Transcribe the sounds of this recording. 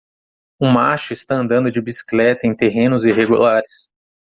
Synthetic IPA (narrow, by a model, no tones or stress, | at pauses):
ũmaʃʊɪst̪aɐ̃nd̪ɐ̃nd̪ʊd͡ʒɪbisi̥klɛt̪ɐẽj̃t̪eɦẽnʊziɦeɡulaɾɪs